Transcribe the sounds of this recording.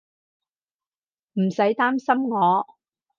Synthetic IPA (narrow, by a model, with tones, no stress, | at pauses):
m̩˨˩sɐ˨˥jt̪aː˥msɐ˥mŋɔː˨˧